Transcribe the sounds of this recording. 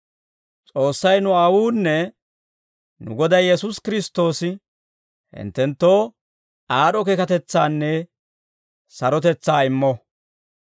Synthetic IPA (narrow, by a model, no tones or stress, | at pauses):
t͡sʼo̞ːsːɐjnʊɐwuːnːɛ | nʊ̰ɡɔd̪ɐjjɛsʊskɪɾɪst̪o̞ːsɪ | hɪ̰nt̪ːɛnt̪ːo̞ː | aːɗɔkɛkɐt̪ɛt͡sːaːnːɛ | sɐɾɔt̪ɛt͡sːaːɪmːɔ